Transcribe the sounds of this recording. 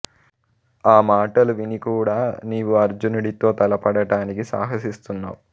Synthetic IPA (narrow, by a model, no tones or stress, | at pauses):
aːmaːʈɐluʋinikuːɽaːniːʋuɐɾd͡ʒunuɽit̪o̞ːt̪ɐlɐpɐɽɐɽaːnikisa̰ːɦɐsist̪unːa̰ːwu